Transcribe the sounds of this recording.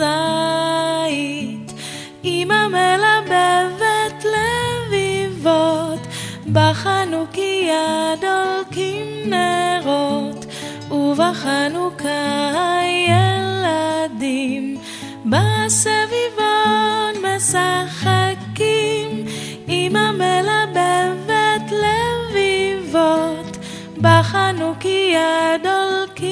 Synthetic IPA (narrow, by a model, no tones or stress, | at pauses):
a | it | imamɛlabɛvɛtlɛvivɔt | baχanukijad̪ɔlˠkimnɛɾɔt̪ | ʊvaχanukʰaajɛlad̪im | basɛvivotmɛsaχakim | imamɛlabɛvɛt̪lɛvivot̪ | baχanukijad̪olki